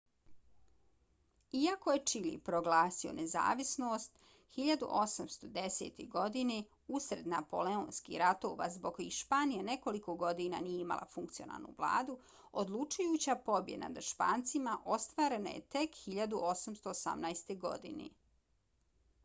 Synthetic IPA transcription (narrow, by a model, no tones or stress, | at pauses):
iako̞je̞t͡ʃilḭpɾoɡlaːsio̞̰neza̰ːʋisnoːst̪ | xiʎad̪ṵʔo̞samst̪o̞d̪esḛːt̪eɡo̞d̪ine | usɾe̞d̪napo̞̰leonskḭɾat̪o̰ʋa̰zbokoiʃpaːnijaneko̞liko̞ɡo̞d̪ina̰nijeima̰lˠʔa̰fuŋkt̪sio̞na̰ːlˠnṵʋlˠa̰ːd̪u | od̪lˠut͡ʃujuːt͡ɕapo̞bjed̪na̰d̪aʃpaːnt̪simaʔo̞st̪ʋaːɾe̞na̰jḛt̪e̞kxiʎad̪uʔosamst̪oːsa̰mnajst̪eɡo̞̰d̪ḭnḛ